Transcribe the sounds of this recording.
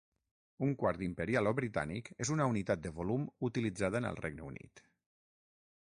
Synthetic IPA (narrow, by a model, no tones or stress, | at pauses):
uŋkwaɾd̪impəɾialˠoβɾit̪a̰nḭkezunəunit̪at̪̚d̪əβolumut̪ilid͡zað̞ənə̰lˠreɡ̚nəunḭt̪